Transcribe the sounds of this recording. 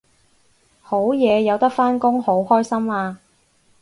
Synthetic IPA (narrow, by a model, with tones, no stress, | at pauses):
ho˨˥wjɛː˨˧jɐ˨˧wt̪ɐ˥k̚faː˥nkʊ˥ŋho˨˥whɔː˥jsɐ˥maː˧